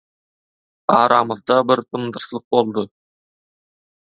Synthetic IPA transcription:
ɑɾʔɑməzd̪ɑbɪɾt̪ʰəmd̪əɾsəlˠəq̚bo̞lˠd̪ə

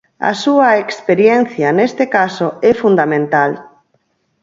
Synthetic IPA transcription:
ɐ̰suɐekspeɾjɛn̟θjɐnest̪ekasoɛfund̪amẽnt̪al

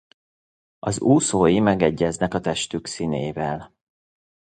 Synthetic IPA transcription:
ɒzuːsoːjimɛɡɛɟːɛznɛkɒt̪ɛʃt̪yksineːvɛl

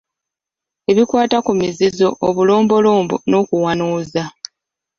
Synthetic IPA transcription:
e̞βikwaːtakumizizo̞̰ʔːβulo̞ːmbo̞loːmbṵno̞ːkuwanuːza

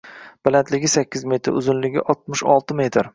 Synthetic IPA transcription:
b̥alant̪lɪɡʲɪsakʲːɪzme̞t̪ʰɪɾʊ̰zʊnlɪɡʲɪ̰ʔɒt̪̚mɪʃɒlˠt̪ʰɪme̞t̪ʰɪɾ

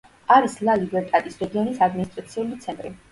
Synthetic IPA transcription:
aɾislalibɛɾt̪ʼɛt̪ʼisɾɛɡiɔnisad̪minist̪ʼɾat̪sʰiulit̪sʰɛnt̪ʼɾi

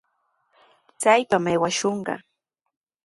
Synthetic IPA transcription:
t͡sajpamejwaʃoɴɢɑ̰

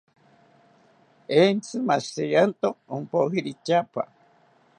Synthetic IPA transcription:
ent͡sɨmastejant̪oompoɦiɾit͡ʃapa̰

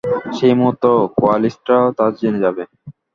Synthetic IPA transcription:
ʃejmuɦut̪ːokoalisʈaot̪ad͡ʑened͡ʑabe

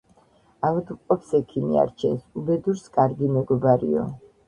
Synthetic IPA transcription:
avud̪qʼɔpsɛkʰimḭa̰ɾt͡ʃʰɛ̰subɛd̪uɾskʼaɾɡimɛɡɔbaɾḭɔ̰

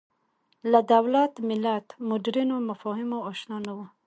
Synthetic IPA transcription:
lad̪awlat̪mɪlat̪mʊdiɾinomafɔɦimoːʃnɔnawə

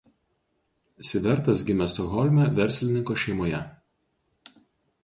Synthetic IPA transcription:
sʲɪʋʲɛɾˑt̪ɐsɡʲɪmʲɛst̪ɔɣɔlʲmʲɛʋʲɛɾʲsʲlʲɪnʲɪŋkoːʃʲɛɪmoːjɛ

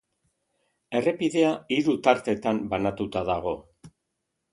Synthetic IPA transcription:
e̞re̞piðe̞aiɾut̪aɾt̪e̞t̪ambanat̪ut̪aðaɣ̞o̞

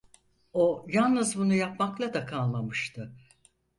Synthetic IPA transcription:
ojalˠnɯzbunujapmaklˠad̪akʰalˠmamɯʃt̪ʰɯ

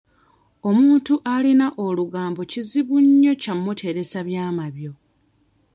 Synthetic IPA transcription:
o̞muːntuʔalinaʔoluɡaːmbo̞ciziβuɲːo̞camːutʰe̞ɾe̞saβjaːmaβjo̞

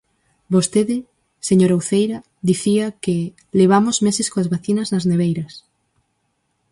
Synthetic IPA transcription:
bost̪eðɪ | seɲoɾauθejɾɐ | ðiθiɐke | leβ̞amozmesɪskoazβaθinɐznɐzneβejɾɐs

